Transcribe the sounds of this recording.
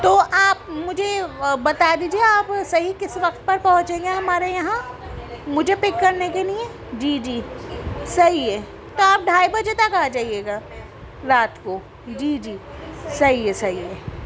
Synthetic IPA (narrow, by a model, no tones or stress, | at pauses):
t̪oːʔaːp̚mʊd͡ʒʱebɐt̪ad̪iːd͡ʒieaːpsɐɦikɪsʋɐkt̪̚pɐɾpɐɦʊ̃t͡ʃẽːŋɡeɦɐmaːɾejɐɦã | mʊd͡ʒʱepɪkːɐɾnekeliẽ | d͡ʒiːd͡ʒiːsɐɦiɦe | t̪oaːp̚ɖʱaːibɐd͡ʒet̪ɐkaːd͡ʒaːieːɡaː | ɾaːt̪ko | d͡ʒiːd͡ʒiːsɐɦiɦesɐɦie